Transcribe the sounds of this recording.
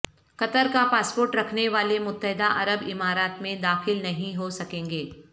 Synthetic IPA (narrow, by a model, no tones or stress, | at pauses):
kɐt̪əɾkapaːspoːɾʈɾɐkʰneʋaːlemʊt̪ːəɦɪd̪aʔɐɾəbɪmaːɾaːt̪mẽd̪aːxɪlnɐɦĩɦosɐkẽːŋɡeː